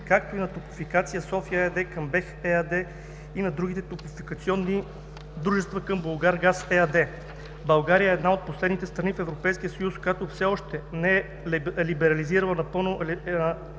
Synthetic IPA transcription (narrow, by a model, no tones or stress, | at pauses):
kak̚t̪oinɐt̪opi̥fikat̪sijəsɔfiəɛɐd̪ɛkəmbɛxɛɐd̪ɛ | inɐd̪ɾuɡ̟it̪ɛt̪opifikɐt̪siɔnːi | d̪ɾuʒɛst̪vəkɤmbolˠɡaɾɡasɛɐd̪ɛ | bɐlˠɡaɾijəɛːd̪naot̪̚poslɛd̪nit̪ɛst̪ɾɐnifɛvɾopɛjsk̟ijəsɐjuskojat̪ofsɛɔʃt̪ɛnɛɛ | libɛɾɐliziɾəlˠɐnɐpɤlˠno